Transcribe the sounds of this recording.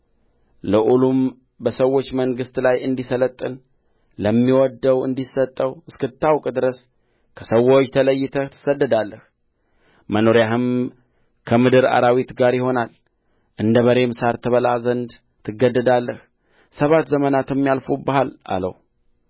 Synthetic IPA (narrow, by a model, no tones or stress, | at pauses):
ləʔulum | bəsəwːo̞t͡ʃːməŋɡɨst̪lajɨnd̪isələt̪ʼːɨn | ləmːiwɔd̪ːəwɨ̰nd̪isːət̪ʼːəwɨskɨt̪ʰːawkʼd̪ɨɾəs | kʰəsəwːo̞t͡ʃːt̪ʰələjːɪt̪ʰət̪ʰɨ̥səd̪ːəd̪alːəh | məno̞ɾjaɦɨm | kʰəmɨd̪ɨɾa̰ɾawit̪ɡaɾjɪho̞nal | ʔɨnd̪əməɾe̞msaɾt̪ʰəβəlazənd̪ | t̪ʰɨɡːəd̪ːəd̪alːəh | səβat̪zəmənat̪ɨmːijalfubəhala̰lə̰w